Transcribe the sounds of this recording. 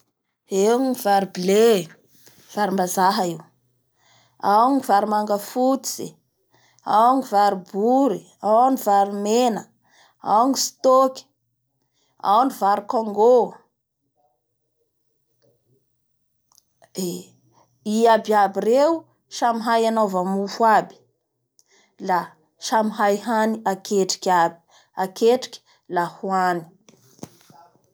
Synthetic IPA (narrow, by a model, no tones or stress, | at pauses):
enivaɾibile | v̥aɾimbazaɦəiw | awɲivaɾimaŋɡəfut̪i̥z̥ḛ | awnivaɾibuɾi | awanivaɾimenə | a̰wanist̪oki̥ | a̰wanivaɾikoŋɡo | e | iabiabirew | ʃamiɦajanovamufuabi̥ | la | ʃamiɦajhaniakeʈ͡ʂi̥kʲabi̥ | akeʈ͡ʂi̥kʲi̥ | lahuani̥